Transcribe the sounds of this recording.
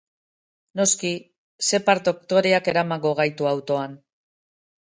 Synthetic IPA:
no̞ski | se̞paɾt̪o̞kt̪o̞ɾe̞ake̞ɾamaŋɡo̞ɣ̞ajt̪uawt̪o̞an

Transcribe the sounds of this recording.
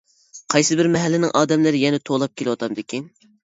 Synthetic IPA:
qʰɑjsɨbɪɾmɛɦɛlːɪnɪŋʔɑːd̪ɛmlɪɾɪjɛnɛt̪ʰolˠɑp̚kʲʰelɨwɑt̪ʰɑmd̪ɪkʲʰin

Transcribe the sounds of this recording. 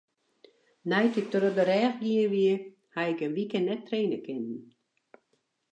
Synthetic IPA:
nɛjtitodɔdəɾɛːxɡiəʋiə | haɪkənʋikənnːɛtːreːnəkɪnn̩

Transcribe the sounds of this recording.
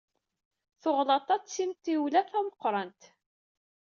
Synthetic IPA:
θoʁlɑt̪ˤːɑsimt̪ːiwlæθæwəqːɾˤɑnt̪

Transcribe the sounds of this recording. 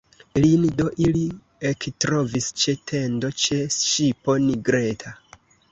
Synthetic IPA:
lindo̞ʔili | ektɾo̞vist͡ʃe̞tʰe̞ndo̞t͡ʃe̞sʃipo̞niɡɾe̞tʰa

